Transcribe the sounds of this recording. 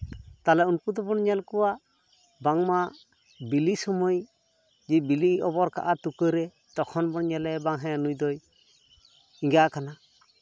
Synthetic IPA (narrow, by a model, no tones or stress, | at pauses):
t̪alɛunpud̪ɔbɔnɲɛlkɔwa | baŋma | bilisɔmɔj | d͡ʒibiliɔbɔɾka̰ʔat̪ukəɾɛ | t̪ɔkʰɔnbɔɳɲɛlɛbaŋɦɛ̃anujd̪ɔj | iŋɡaʔkana